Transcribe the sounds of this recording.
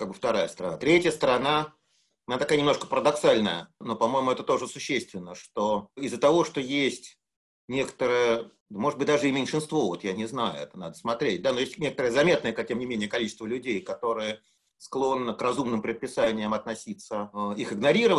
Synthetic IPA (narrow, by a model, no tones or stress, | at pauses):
kaɡbɨft̪ɐɾajəst̪əɾɐna̰t̪ɾʲetʲjəst̪əɾɐna | nʲat̪ɐkajnʲɪmnoʂkə̥pəɾəd̪ɐksalʲnəjəno̞pɐmo̞jɪmʊɛt̪ət̪o̞ʐəsʊɕːest̪vʲɪnːəʂt̪oɪzːət̪ɐvo̞ʂt̪o̞jesʲtʲ | nʲe̞kə̥t̪əɾəjə | əmoʐɨd̪̚bɨt̚ʲd̪aʐɨɪmʲɪnʲʂɨnst̪vo̞vo̞t̪janʲɪznajʊ̰ɛt̪əna̰d̪əsmɐt̪ɾʲet̚ʲd̪ano̞jesʲtʲnʲe̞kət̪əɾəjəzɐmʲe̞t̪nəjəkatʲemnʲɪmʲenʲɪjəkɐlʲit͡ɕɪst̪vəlʲʉdʲejkɐt̪o̞ɾɨjə | sklˠo̞nːəkrɐzumnɨmpɾʲɪt̪̚pʲɪsanʲɪjəmɐt̪nɐsʲit̪səixɨɡnɐɾʲiɾəv